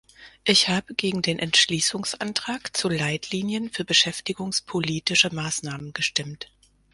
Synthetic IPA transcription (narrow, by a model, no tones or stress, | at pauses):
ʔɪçhaːbəɡeːɡŋ̩deːnʔɛntʃliːsʊŋsʔantʁ̥aːkt͡sulaɪtʰliːnjənfyːɐbəʃɛftɪɡʊŋspʰoliːtɪʃəmaːsnaːmənɡ̥əʃtɪmt